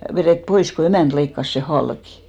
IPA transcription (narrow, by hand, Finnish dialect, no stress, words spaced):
ʋereˑt pois ko emæˑnt leikːɑs seˑ hɑlki̥